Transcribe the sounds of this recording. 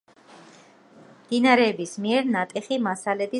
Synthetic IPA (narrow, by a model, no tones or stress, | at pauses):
md̪inaɾɛːbismiɛɾnat̪ʼɛχimasalɛd̪i